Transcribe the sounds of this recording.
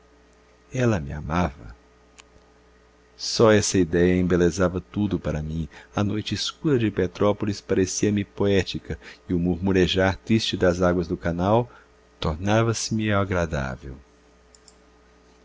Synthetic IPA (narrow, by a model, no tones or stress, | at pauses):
ɛlɐmɪa̰mavɐ | sɔɛsɐid̪ɛjɐẽmbelezavɐt̪ud̪ʊpaɾɐmĩɐnojt͡ʃɪːskuɾɐd͡ʒɪpet̪ɾɔpolispaɾesiɐmɪpoɛt͡ʃikɐɪʊmuɾmuɾeʒaɾt̪ɾist͡ʃɪd̪ɐzaɡwɐzd̪ʊkanaw | t̪oɾnavɐsɪmɪaɡɾad̪a̰vḛw